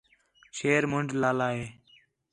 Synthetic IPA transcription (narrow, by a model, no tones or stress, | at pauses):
ʃeːɾmʊɳɖʱlaːlaːɦeː